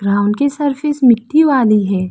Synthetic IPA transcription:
ɡɾaːʊnkesɐɾfɪsmɪʈːiʋaːliɦɛː

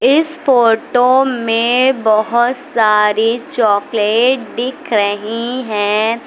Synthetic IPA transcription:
ɪsfoːʈomẽbɐɦʊt̪saːɾit͡ʃɔːkleːʈ̚d̪ɪkʰɾɐɦiɦɛ̃ː

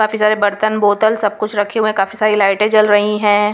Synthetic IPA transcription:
kaːfisaːɾebɐɾt̪ənboːt̪əlsɐb̚kʊt͡ʃʰɾɐkʰeɦuẽkaːfisaːɾilaːɪʈẽt͡ʃɐlɾɐɦĩɦɛ̃ː

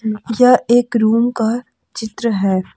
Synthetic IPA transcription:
jɐeːkɾuːmka | t͡ʃɪt̪ɾəɦɛː

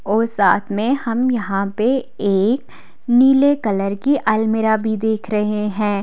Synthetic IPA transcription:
ɔːɾsaːt̪ʰmẽhɐmjɐɦãpe | eːk | niːlekɐləɾkiʔɐlmɪɾabʱid̪eːkʰɾɐɦeɦɛ̃ː

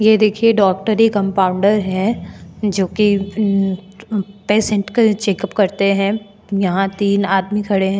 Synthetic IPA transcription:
jed̪eːkʰieɖɔːk̚ʈəɾikɐ̃mpaːʊ̃ɳɖəɾɦɛ̃ | d͡ʒoːki | peːsɛ̃ɳʈket͡ʃeːkəpkɐɾt̪eɦɛ̃ | jɐɦãt̪iːnaːd̪mikʰɐɽeɦɛ̃ː

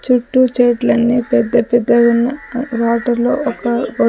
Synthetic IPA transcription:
t͡ʃuʈːut͡ʃɛːʈlɐnːipɛd̪ːɐpɛd̪ːɐɡunːɐʋaːʈɐlo̰ːɔkɐɡo

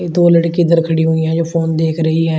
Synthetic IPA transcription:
eːd̪oːləʈkiːd̪əɾkʰəɽiɦoːijãːd͡ʒoːpʰoːnd̪eːkʰɾəɦiːɦɛː

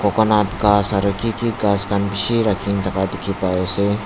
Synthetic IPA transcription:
kɔkɔnatkasaɾəkikiɡaskʰanbiʃiɾakʰint̪ʰakad̪ɪkʰipajose

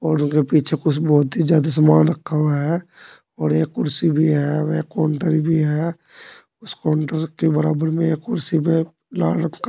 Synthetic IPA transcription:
ɔːɾʊnkepiːt͡ʃʰekʊt͡ʃʰbɔːt̪ɦid͡ʒjaːd̪as̬maːnɾəkʰːaʋaɦɛ | ɔːɾeːkːʊɾsibʱiɦɛeːkːɔːɳʈəɾibʱiɦɛ | ʊskɔːɳʈəɾkebɐɾaːbəɾmẽeːkːʊɾsipe | laːək

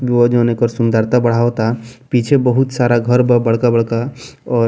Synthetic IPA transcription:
bjoəd͡ʒonekəɾsund̪əɾt̪abəɽ̤aot̪apit͡ʃʰebəɦut̪saɾaɡʱəɾbəbəɽ̤kabəɽ̤kaɔː

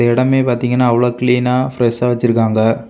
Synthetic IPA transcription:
ɐɪɽɐmeːpaːɾt̪iːŋɡɐnːaːɐʋɐɭoːkɪliːnaːfɪɾɛʂaːʋɐt͡ʃːɪɾɯkːaːŋɡɐ

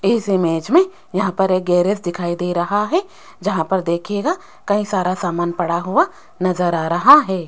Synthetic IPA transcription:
ɪsɪmeːd͡ʒmẽ | jɐɦãpɐɾeːk̚ɡɛːɾesd̪ɪkʰaːid̪eːɾɐɦaɦɛ | d͡ʒɐɦãpɐɾd̪eːkʰeːɡa | kɐɦĩsaːɾasaːmaːnpɐɽaɦʊa | nɐzəɾaːɾɐɦaɦɛː

